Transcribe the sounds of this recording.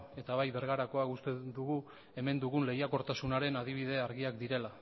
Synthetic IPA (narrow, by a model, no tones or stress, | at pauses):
e̞t̪aβ̞ajβe̞ɾɣaɾako̞akust̪ed̪uɣu | e̞me̞nd̪uɣunle̞jako̞ɾt̪asunaɾe̞nað̞iβ̞iðe̞aɾɣiakd̪iɾe̞la